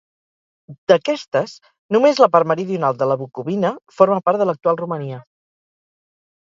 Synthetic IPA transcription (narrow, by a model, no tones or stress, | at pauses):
d̪̥əkɛst̪əs | numezləpaɾməɾiðiunalˠd̪ələβukuβinəfoɾməpaɾt̪ðələk̚t̪ualˠruməniə